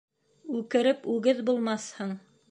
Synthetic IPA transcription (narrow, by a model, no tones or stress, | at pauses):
ʉkɘ̆ɾɘpʉɡɘðbulˠmɑshɤɴ